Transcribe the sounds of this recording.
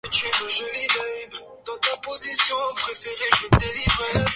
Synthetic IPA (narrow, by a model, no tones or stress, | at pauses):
ət̪ɥɛməʒɔlid̪œjb | d̪̥ɑ̃t̪apozisjɔ̃pχefeʁeʒəd̪elivʁe